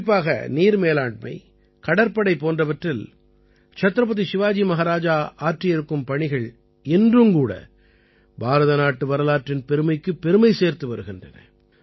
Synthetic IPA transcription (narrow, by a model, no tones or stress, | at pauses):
p̬ːaːɣɐ̰niːɾmeːlaːɳɖ̚mɐ̰ɪ | kɐɽɐɾpɐɽɐɪpoːndrɐʋɐʈrɪl | t͡ʃɐt̪ːɾɐp̬ːɐðisɪʋaːd͡ʒimɐɣaːɾaːd͡ʒaːaːʈrɪjɛɾɯkːɯmpɐɳɪɣɐɭ | ɪndrɯmkuːɽɐ̰ | baːɾɐðɐnaːʈːɯʋɐɾɐlaːʈrɪnpɛɾɯmɐɪkːɯpːɛɾɯmɐɪseːɾt̪ɯʋɐɾɯɣɪndrɐ̰nɐ̰